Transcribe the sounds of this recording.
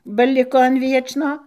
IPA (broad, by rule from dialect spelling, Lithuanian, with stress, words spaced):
bɐ ˈlʲɪkoː ɐn ˈʋʲiɛt͡ʃnoː